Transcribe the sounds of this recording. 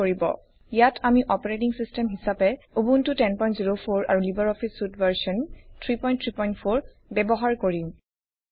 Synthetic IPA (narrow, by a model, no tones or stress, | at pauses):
oɹibɔ̰ | ijatʰamiʔɔpɔɹetiŋsistɛmɦisapɛ | ubuntʊtɛnpɔj̃ntziɹopʰoɹa̰ɹulibaɹɔpʰisːutbaɹsɔntʰɹipɔj̃ntʰɹipɔj̃ntpʰoɹ | bɛbɔɦaɹkoɹim